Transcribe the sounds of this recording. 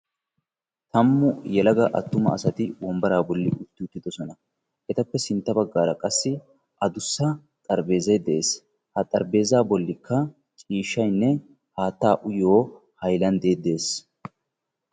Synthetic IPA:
t̪ɐmːʊjɛlɐɡɐʔɐt̪ːʊmɐ̰ɐsɐt̪ɪwɔmbɐɾaːbɔlːɪ̰ʔʊt̪ːɪʊt̪ːɪd̪ɔsɔnɐ | ʔɛt̪ɐpːɛsɪnt̪ːɐbɐɡːaːɾɐkʼɐsːɪ | ʔɐd̪ʊsːɐ | t̪ʼɐɾbe̞ːzɐjd̪ɛʔe̞ːs | hɐt̪ʼɐɾbe̞ːzaːbɔlːɪkːɐ | t͡ʃʼiːʃːɐjnːɛ | haːt̪ːaːʔʊjoː | hɐjlɐnd̪e̞ːd̪e̞ːs

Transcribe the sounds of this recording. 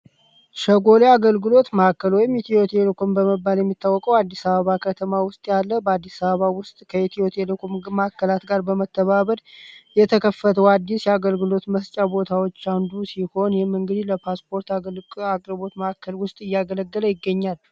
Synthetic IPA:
ʃəɡo̞leaɡəlɡɨlo̞t̪məhakːəlwɔjɪmit̪ʰio̞t̪ʰelekʰo̞mbəməbːaljɛmːit̪ʰːawːɔkʼəwad̪ːisaβəβakʰət̪ʰəmawʊst̪ʼjalːəbəad̪ːisaβəβawʊst̪ʼkʰəit̪ʰio̞t̪ʰelkʰomməhakːəlat̪ɡaɾbəmət̪ʰːəβaβəɾjɛt̪ʰəkʰəfːət̪ʰəwad̪ːisjɛaɡəlɡɨlo̞t̪məst͡ʃʼabo̞t̪ʰawo̞t͡ʃːand̪usiho̞njɛhɪmːɨŋɡɨd̪iləpʰaspʰo̞ɾt̪alakʼɾɨβo̞t̪məhakʰːəlwʊst̪ʼɨjːaɡələɡːələjɪɡːəɲːal

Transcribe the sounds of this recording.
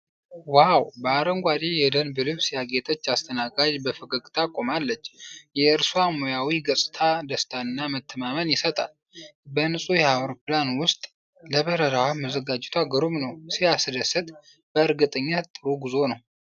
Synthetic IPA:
wawbəaɾəŋɡʷad̪ejɛd̪ənbɨlɨβsijaɡet̪ʼət͡ʃːast̪ʰənaɡad͡ʒbəfɨɡəɡʼt̪ʰʼakʼo̞malːət͡ʃːjɛɨɾsuamojawiɡəsʼɨ̥t̪ʰad̪əst̪ʰaɨnːamət̪ʰːəmamənjɪsət̪ʼa̰l | bənɨsʼujɛawɾopɨlanwʊst̪ʼ | ləβəɾəɾawaməzəɡad͡ʒɛt̪ʰaɡəɾumnəwsijasɨd̪əsɨt̪ʼ | b̥əɨɾɡɨt̪ʼəɲːat̪ʼːɨɾuɡɨzo̞nəw

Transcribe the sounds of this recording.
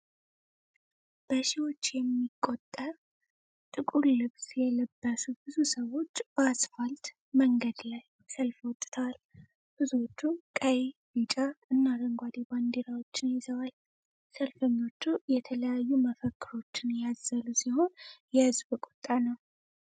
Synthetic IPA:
b̥əʃiwo̞t͡ʃːjɛmːikʼːot̪ʼːəɾ | t̪ʼɨkʼuɾlɨβsjɛləbːəsubɨzusəwo̞t͡ʃːb̥əasfalt̪ | məŋɡəd̪laj | səlfwɔt̪ʼːt̪ʰəwal | b̥ɨzuot͡ʃːukʼəjbit͡ʃʼaɨnːaɾəŋɡʷad̪iband̪eɾawo̞t͡ʃːɪnjɪzəwal | səlfəɲːo̞t͡ʃːujɛt̪ʰələjajːuməfəkːɨɾo̞t͡ʃːɪnjazəlusiho̞njɛhɨzbɨkʼo̥t̪ʼːanəw

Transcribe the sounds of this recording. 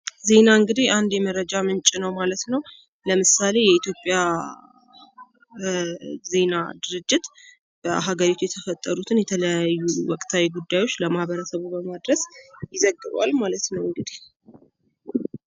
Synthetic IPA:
ze̞naɨŋɡɨd̪ihand̪jɛməɾəd͡ʒamɨnt͡ʃʼɪnəwmalət̪nəw | ləmɨsale̞jɛit̪ʰjo̞pʼːja | ze̞nad̪ɨɾɨd͡ʒːɪt̪ | b̥əɦaɡəɾit̪ʰujɛt̪ʰəfət̪ʼːəɾut̪ʰɨnjɛt̪ʰələjajːuwɔkʼt̪ʰawiɡud̪ːajwo̞t͡ʃːləmahbəɾəsəβubəmad̪ɾəsjɪzəɡːɨβwa̰lmalət̪nəwɨŋɡɨd̪ih

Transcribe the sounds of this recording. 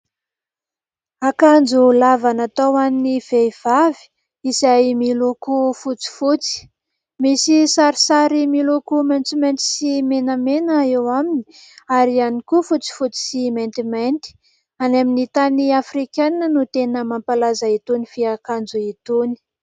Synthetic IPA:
akand͡ʒulavanat̪awaniniv̥eiv̥avi̥ | izajmilukufut͡si̥fut͡si̥ | misisaɾisaɾimilukument͡siment̪i̥simenamenəewamini̥ | aɾianikufut͡si̥fut͡si̥siment̪iment̪i̥ | anaminit̪aniafrikannənut̪enəmampalazait̪unifiakand͡zuit̪uni̥

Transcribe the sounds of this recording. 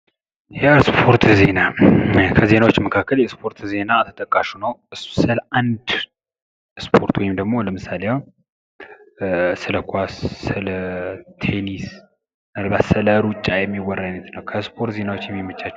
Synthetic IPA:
jɛspʰo̞ɾt̪ze̞nakʰəze̞nawo̞t͡ʃːməkʰakːəljɛspʰo̞ɾt̪ze̞nat̪ʰə̥t̪ʼəkʼːaʃunəwɨssɨlʔand̪ | spʰo̞ɾt̪wɔjɪmd̪əɡmo̞ləmɨsːaleja | sɨləkʰʷasːɨlət̪ʰe̞nis | alβat̪sɨləɾut͡ʃʼːajɛmːiwɔrːajnət̪nəwkʰəspʰo̞ɾt̪ze̞nawo̞t͡ʃːjɛmːimːət͡ʃːat͡ʃː

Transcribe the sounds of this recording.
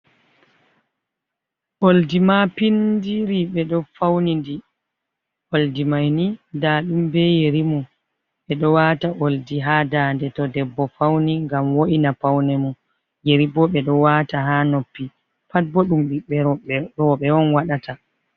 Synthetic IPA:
ʔoldimapindiɾiɓɛɗɔfawnindi | ʔoldimajnidaɗumbɛjeɾimɔ | ɓɛɗɔwataʔoldiɦaːdaːndɛtɔdɛbːɔfawniŋɡamwoʔinapawnɛmɔ | jeɾibɔɓɛɗɔwataɦanopːi | pat̚bɔɗumɓiɓɛɾɔɓɛɔnwaɗata

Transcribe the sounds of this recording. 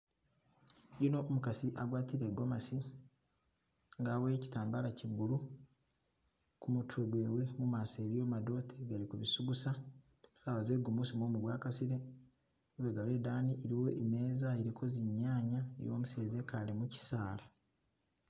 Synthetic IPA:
jino̞ʔːmukasiʔaɡwaːtiɾeɡo̞masi | ŋɡaːβeci̥taːmbalacibulu | kumutʰuɡwe̞ːwe̞mumaseːɾjo̞ːmado̞tʰeɡalikuβisuɡusa | kaβazeɡumusimwoːmuβwaːkasiɾe | uβeɡaledaːniʔeɾiwo̞ʔeme̞ːzaeɾikʰo̞zeɲːaːɲaḛjo̞̰ːmuseːzekalemuci̥saːla

